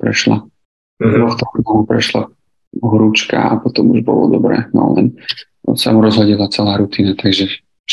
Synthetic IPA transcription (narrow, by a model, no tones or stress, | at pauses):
pɾɛʃla̰ | d̪ʋɔxt̪ɔxnɔɦupɾɛʃla | ɦɾut͡ʃka̰apɔt̪ɔmuʒbɔlɔ̰d̪ɔbɾɛ̰ːnɔ̰lɛ̰n | sa̰muɾɔzɦɔɟɛlat͡sɛlaːɾut̪iːnat̪aɡʒɛ